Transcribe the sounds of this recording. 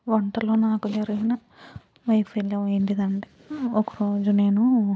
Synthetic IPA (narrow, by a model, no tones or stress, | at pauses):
ʋɐɳʈɐloːnaːkud͡ʒɐɾiɡinɐ | ʋɐjpʰɐjlɐeɳʈid̪ɐɳɖi | okɐɾoːd͡ʒune̞ːnu